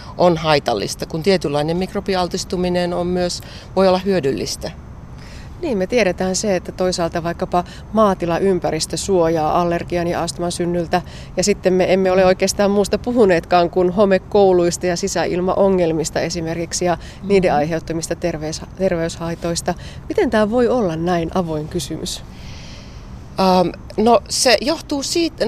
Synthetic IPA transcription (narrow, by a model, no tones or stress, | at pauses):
onhɑit̪ɑ̰lːḭst̪ɑkunt̪iet̪ylːɑinemmikropiɑlt̪ist̪uminenommyøs | ʋoiolːɑhyødylːḭst̪æ | niːmmet̪ieɾet̪æːnseet̪ːæt̪oisɑːlt̪ɑʋɑikːɑpɑ | mɑːt̪ilɑʔympæɾist̪øsuojɑːʔɑlːerɡ̥iɑnjɑ̰ɑst̪umɑsynːylt̪æ | jɑsit̪ːemmeemːeoleoikeːst̪ɑːmmuːst̪ɑpuɦuneːt̪kɑːŋkunhomekkouluist̪ɑjɑsisæʔḭlmɑ̰ʔoŋːelmist̪ɑesimerkiksijɑ | niːdeɑiɦeut̪ːɑmist̪ɑt̪erʋest̪erʋeyshɑit̪oist̪ɑ | mit̪ent̪æːʋoiolːɑnnæinʔɑʋoiŋkysymʔy̰s | əːm | nosejoht̪uːsiːt̪